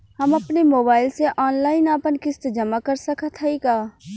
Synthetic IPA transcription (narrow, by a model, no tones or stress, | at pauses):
həmɐpnemoːbaːɪlseʔɔːnlaːɪnaːpənkɪst̪d͡ʒəmakəɾsəkət̪ɦɛikaː